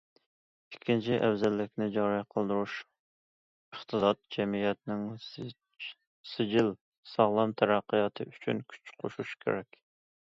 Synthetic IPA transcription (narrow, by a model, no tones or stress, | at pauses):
ikʲʰːint͡ʃʰiʔɛwzɛlːɪkʲnɪd͡ʒɑɾiqʰəlˠd̪uɾuʃ | əχt̪ʰɨsɑt̪̚d͡ʒɛmijɛt̪nɪŋ | sɪd͡ʒɪl | sɑʁlˠɑmt̪ʰɛɾæqːəjɑt̪ʰɨyt͡ʃʰynkʲʰy̥t͡ʃqʰo̰ʃuʃkʲʰḛɾɛkʲ